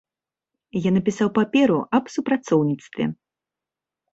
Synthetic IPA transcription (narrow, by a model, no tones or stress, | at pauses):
janɐpʲisawpapʲɛɾuʔɐbsupɾat̪sɔwnʲit̪st̪vʲɛ̰